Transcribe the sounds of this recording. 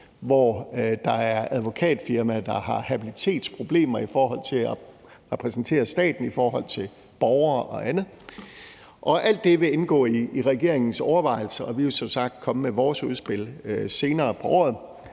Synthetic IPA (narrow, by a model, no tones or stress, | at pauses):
ʋɒd̥ɑ̈æɐæð̞ˠʋo̝kʰɛ̰ːd̥fiɐmæd̥ɑ̈hɑ̈hæb̥ilit͡sʰe̝̰ːd̥spʰʁo̝b̥le̝̰ːmɐifɒːɦɒ̽l̰t͡sʰe̝læ | ʁɛpʰʁɛsn̩t͡sʰe̝̰ːɐsd̥ɛ̰ːd̥n̩ifɒːhɒ̽l̰t͡sʰe̝l | b̥ɒʊɐːʔɒ̽ænə | ʔɒ̽ʔæl̰d̥e̝ʋe̝enɡ̥ɔ̰̽ːiːʁɛɡ̥e̝ɐeŋn̩sɒʊɐʋɑ̈ɪl̩səɒ̽ʋiʋesɒ̽msɑ̈ɡ̥̚d̥̚kʰɒ̽məmeʋɒːsuð̞ˠsb̥e̝l̰se̝ːnɐːpʰɒ̽ʔɒ̰ːð̩ˠ